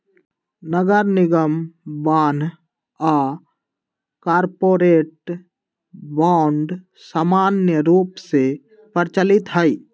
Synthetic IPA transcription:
nəɡəɾnɪɡəmbaːn | a | kaːɾpoːɾeːʈ | bɔːɳɖ | saːmaːnjəɾuːpse | pəɾt͡ʃəlɪt̪ɦəi

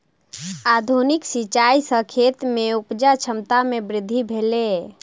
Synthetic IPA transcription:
ad̪ʱuniksit͡ʃaisəkʰet̪meupd͡ʒat͡ʃʰəmt̪amebɾɪd̪ʱːibʱele

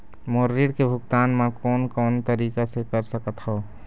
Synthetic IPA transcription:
moːɾːiɽkebʱʊɡt̪aːnmãkɔːnkɔːnt̪əɾiːkasekəɾsəkət̪ɦɔː

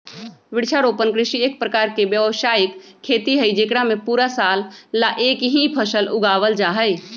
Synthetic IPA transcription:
ʋɪɽt͡ʃʰaɾoːpənkɾɪʃieːk̚pɾəkaːɾkebjəʋʃaːɪkʰːeːt̪iɦəid͡ʒeːkɽamẽpuːɾasaːlːaʔeːkɦĩpʰəʃəlʊɡaːʋəld͡ʒaːɦəɪ

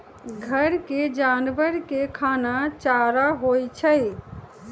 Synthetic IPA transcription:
ɡʱəɾked͡ʒanbəɾkekʰanat͡ʃaɾaɦojt͡ʃʰəɪ

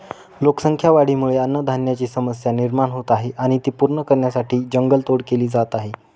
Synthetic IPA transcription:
loksəŋkʰjaʋaɽ̤iːmuɭeənːəd̪ʱanjat͡ɕiːsəməsjaniɾmaɳɦot̪aɦeʔaɽ̃it̪iːpuɾɳəkəɾɳjasaʈʰiːd͡ʑəŋɡəlt̪oɽkeliːd͡zat̪aɦe

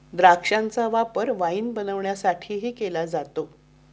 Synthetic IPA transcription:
d̪ɾakʂant͡saʋapəɾʋainbənəʋɳjasaʈʰiːɦiːkelad͡zat̪o

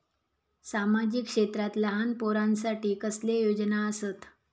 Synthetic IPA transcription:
samad͡ʑikʂet̪ɾat̪ləɦanpoɾansaʈiːkəslejod͡ʑnaəsət̪

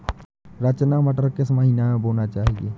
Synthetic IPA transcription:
ɾət͡ʃnaməʈəɾkesməɦinamẽboːnat͡ʃaːɦiɡe

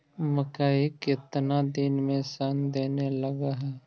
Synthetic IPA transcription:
məkaːikɪt̪nad̪ɪnmẽsand̪eːnelɐɡaɦɛː

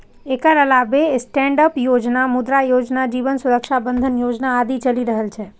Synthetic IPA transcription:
ekəɾəlabesʈɛ̃ɳɖəpjod͡ʒnamʊd̪ɾajod͡ʒnad͡ʒiʋənsuɾəkʃabə̃nd̪ʱənjod͡ʒnaːd̪it͡ʃəliɾəɦelt͡ʃʰe

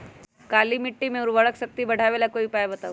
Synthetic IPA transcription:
kaliːmiʈːiːmewɾʋəɭəkɕək̚t̪iːbəɽ̤ʱaʋelakoipajbət̪aʋ

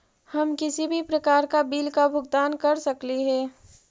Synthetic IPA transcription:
hɐmkɪsibʱipɾɐkaːɾkabiːlkabʱʊɡ̚d̪aːnkɐɾsɐkliɦɛː

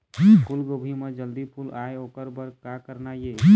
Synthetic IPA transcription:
kʰulɡobʱimed͡ʒəld̪ipʰulaeokəɾbəɾkakəɾnaje

